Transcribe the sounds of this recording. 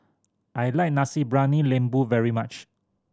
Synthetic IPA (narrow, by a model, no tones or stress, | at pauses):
ʔajlajk̚nasibɹanilẽmbuvɛɹimat͡ʃ